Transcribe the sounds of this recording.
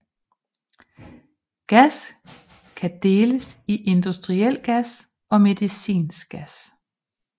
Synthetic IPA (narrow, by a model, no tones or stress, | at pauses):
ɡ̥æs | kʰæd̥e̝ːləsiʔe̝nd̥usd̥ʁiel̰ɡ̥æs | ɒ̽me̝ðˠisḭːnsɡ̥æs